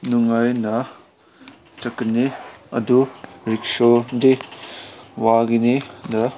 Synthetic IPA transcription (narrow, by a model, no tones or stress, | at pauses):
nuŋajnɐ | t͡ʃɐkːəniɐ̰duɾiksode | waɡinidɐ